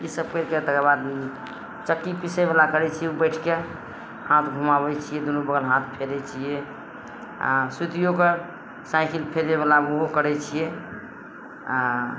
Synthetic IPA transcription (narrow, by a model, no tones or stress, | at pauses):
isəb̚kəɾkət̪əkəbad̪mi | t͡ʃəkːipisebelakəɾɛt͡ʃʰijɛubəɪʈʰke | hãt̪ʰɡʱumaβɛt͡ʃʰijɛd̪onubəɡəlɦãt̪ʰpʰelɛt͡ʃʰijɛ | a̰sut̪ijoke | saɪkʰilpʰeleβelaoɦokəɾɛt͡ʃʰijɛ | a